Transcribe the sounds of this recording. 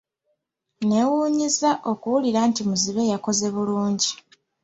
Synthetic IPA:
ne̞wuːɲizaʔo̞kuwuliɾaːntimuziβe̞jako̞ze̞βuluːɲɟi

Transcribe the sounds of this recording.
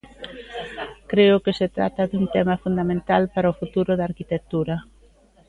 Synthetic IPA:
kɾeʊkeset̪ɾa̰t̪ɐðuŋt̪ɛmɐfund̪amẽnt̪alpaɾaofut̪uɾʊðaɾkit̪ek̚t̪uɾɐ

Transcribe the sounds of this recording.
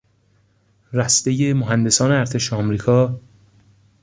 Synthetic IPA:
ræst̪ejemoɦænd̪e̞sɒːneæɾt̪ʰe̞ʃeɒmɾiːkʰɒː

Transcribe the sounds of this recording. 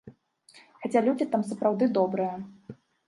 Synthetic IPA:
xat͡sʲalʲud͡zʲit̪amsɐpɾawd̪ɨd̪ɔbɾɨjɐ

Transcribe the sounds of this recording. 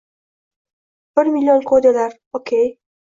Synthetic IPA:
b̥ɪɾmilʲːijonkʰod̪elaɾ | okʲʰej

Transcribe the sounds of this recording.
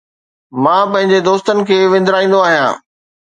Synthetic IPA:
mãːpɐ̃ɦɪ̃ɲd͡ʑed̪oːst̪ənɪ̆kʰeːʋẽnd̪ɾaːĩːn̆d̪oaːɦijã̰ː

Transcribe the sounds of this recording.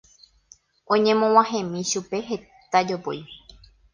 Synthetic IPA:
ʔõɲẽ̞mõw̃ãɦẽmĩʃupe̞ɦe̞ | t̪ad͡ʒopo̰j

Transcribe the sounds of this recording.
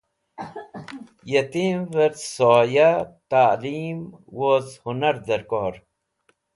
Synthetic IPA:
jɐt̪imvəɾt̪soːjat̪aːliːmwozhunɐɾd̪ɐɾkoːɾ

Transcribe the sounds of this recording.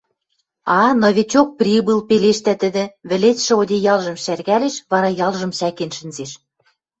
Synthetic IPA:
ɑnɤ̆βʲet͡ɕok̚prʲibɨlpeleʃt̪æt̪ɘ̆d̪ɘ̆βɘ̆letʃɘ̆od̪ejɑlʒɤ̆mʃærɣæleʃβɑɾɑjɑlˠʒɤ̆mʃækenʃɘ̆nzeʃ

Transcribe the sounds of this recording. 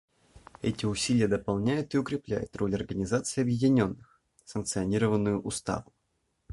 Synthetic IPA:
ɛ̰tʲɪʊsʲilʲɪjəd̪əpɐlˠnʲæjʊt̪ɪʊkɾʲɪplʲæ̰jʊ̰t̪ro̞lʲɐrɡənʲɪzat̪sɨɪɐbjɪdʲɪnʲo̞nːɨx | sənk̪̚sɨɐnʲiɾəvənːʊjʊʔʊst̪a̰vʊ

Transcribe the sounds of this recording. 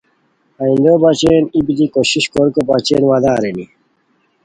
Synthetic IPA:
ɐĩnd̪obat͡ɕeːnibid̪ikoɕiɕkoɾkopat͡ɕeːnwad̪aːɾeni

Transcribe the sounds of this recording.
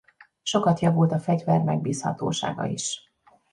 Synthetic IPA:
ʃo̞kɒt̪jɒvult̪ɒfɛɟvɛrmɛɡ̚biːshɒ̰t̪o̰ːʃa̰ːɡɒ̰iʃ

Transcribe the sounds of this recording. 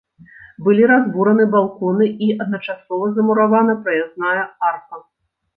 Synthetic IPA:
bɨlʲiɾazbuɾɐnɨbalˠkɔnɨiʔɐd̪̚nɐt͡ʂasɔvɐzɐmuɾavanɐpɾɐjaznajɐarkɐ

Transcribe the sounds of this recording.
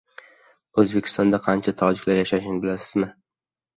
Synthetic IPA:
ɵzbekʲʰɪ̥st̪ɒnd̪aqʰɑnt͡ʃʰat̪ʰɒd͡ʒɪkʲlaɾjaʃaʃɪŋbɪlasɪzmɪ

